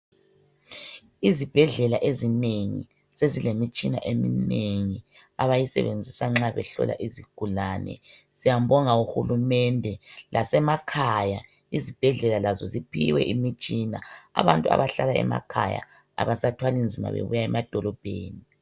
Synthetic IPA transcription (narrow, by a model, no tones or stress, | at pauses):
izib̥ʱɛɮɛlaʔezineŋḭ | sezilemit͡ʃʼina̰ʔemineŋi | aβajisɛ̰βend͡zʱisaŋ͡ǁaβɛɬɔ̰la̰ʔiziɡ̥ʱulanɛ̰ | z̥ijam̩bɔŋauxulumɛndʱɛlʔasɛmakʰaja | izib̥ʱɛɮɛlalazɔzipʰḭwɛʔimit͡ʃʼinaa̰βantʼua̰βaɬalaɛ̰ma̰kʰaja̰ | aβasatʰwalind͡zʱima̰βḛβujaɛmad̥ʱɔlɔb̥ʱeːni